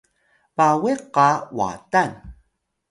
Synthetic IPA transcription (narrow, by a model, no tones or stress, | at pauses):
paweqawa̰tan